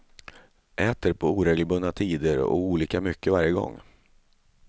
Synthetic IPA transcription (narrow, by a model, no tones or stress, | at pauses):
ʔɛːt̪əɾpʰɔuːɾɛːɡlbɵnːat̪ʰiːd̪əɾɔ̰uːliːkamʏkːəvaɾjəɡɔ̰ŋː